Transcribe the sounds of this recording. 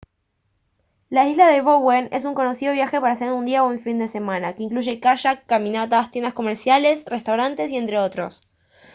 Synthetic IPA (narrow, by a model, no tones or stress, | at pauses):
laizlaðe̞βowene̞suŋko̞no̞sið̞o̞β̞jaxe̞paɾaseɾund̪iaouɱfind̪e̞se̞mãnakeiŋkluʒe̞kaʃakamĩnat̪ast̪jend̪asko̞meɾsjale̞srest̪awɾant̪e̞sie̞nt̪ɾe̞o̞t̪ɾo̞̰s